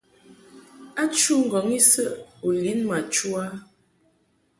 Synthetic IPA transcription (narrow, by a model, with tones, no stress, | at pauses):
a˦t͡ʃu˦ŋ̩˨ɡɔ˨˦ŋi˦sə˦ʔu˨li˨˦nma˨t͡ʃu˦a˦